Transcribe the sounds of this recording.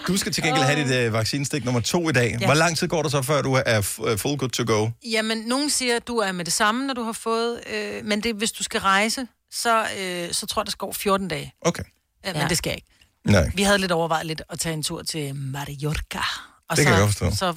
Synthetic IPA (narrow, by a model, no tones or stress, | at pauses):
d̥usɡ̥æt͡sʰe̝lɡenɡ̥ḛl̰ɦæɾid̥ʋɑ̈ɡ̥siːnəsd̥eɡ̥nɔ̽mɐt͡sʰo̝̰ːid̥ɛ̰ːʋɒlɑ̈ŋ̰t͡sʰiðˠɡɒ̰ːd̥us̬ɒ̽fɶɐd̥uæɐfolɡ̥ud̥̚t͡sʰoɡ̥oʊjæmenːo̝ːn̩siːɐd̥uæɐmed̥e̝sɑ̈mənɒd̥uhɑ̈fɔ̽ːð̞̩ˠømend̥e̝ʋe̝sd̥usɡ̥æʁɑ̈ɪsə | sɒ̽øsɒ̽t͡sʰo̝ɐ̰ɐd̥esɡ̥ɒ̰ːfjo̝ɐd̥n̩d̥ɛːɪʔoʊkʰe | mend̥e̝sɡ̥æjɑ̈e̝ɡ̥ | naɪʋihæð̞̩ˠleɾɒʊɐʋɑ̈ɪðˠle̝d̥ɒ̽t͡sʰɛ̰ːe̝nt͡sʰuɐ̰t͡sʰe̝mɑʁiɒkʰæ | ɒekæjaɡɒdfɒsd̥ɔ̰̽sɒ̽